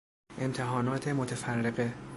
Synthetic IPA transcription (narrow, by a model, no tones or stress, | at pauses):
ʔe̞mt̪ʰeɦɒːnɒːt̪ʰe̞mot̪ʰefærːeɣe